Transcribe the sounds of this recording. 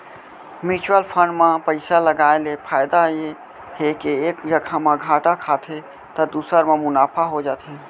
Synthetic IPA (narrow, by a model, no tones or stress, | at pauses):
mit͡ʃwəlpʰəɳɖmãpəɪsaləɡaelepʰajd̪ae | ɦekeekd͡ʒəɡʰamãɡʱaʈakʰat̪ʰe | t̪əd̪usəɾmemʊnapʰaɦod͡ʒaːt̪ʰe